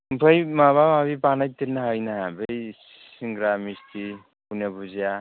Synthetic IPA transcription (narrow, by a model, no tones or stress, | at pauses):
mpʰajmaβamabipanajt̪eɾnaɦajnaɦabej | iŋɡɾamistʰi | punabuzija